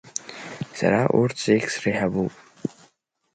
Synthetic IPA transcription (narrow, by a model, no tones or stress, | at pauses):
sa̰ɾaʔurt͡sʰeksrɨħabupʼ